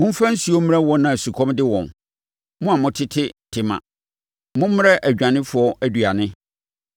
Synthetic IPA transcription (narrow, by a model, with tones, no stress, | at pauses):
mʊ̃˦m˦fã˦n̩˦su˦o˦m̃˦ɾɛ˦wɔ˦nã˨su˨kʰɔ̃˦mdɪ˦wɔ̰̃˨n | mʊ̃˦a˨mʊ̃˨tʰɪ˦tʰɪ˦tʰɪ˨mã̰˨ | mʊ̃˦m˦m˦ɾɛ˦ʔæ˨d͡ʑᶣã˨nɪ̃˦fʊ˨˦ɔ˦ʔæ˦du˨a˨nɪ̃˦